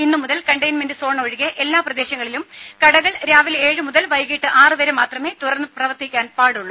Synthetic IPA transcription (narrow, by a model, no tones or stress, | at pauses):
inːumuðɐlkɐɳɖɐjnmendɨso̞ːɳoːɻiɣeʔelːaːprɐd̪e̞ːɕɐŋːɐɭilumkɐɽɐɣɐɭɾaːʋile̞ːɻɨmuðɐlʋɐjɣiːʈːɨʔaːrɨʋɐɾemaːt̪rɐme̞ːt̪uɽɐrnːɨprɐʋɐrt̪ikʲːaːnpaːɽuɭːu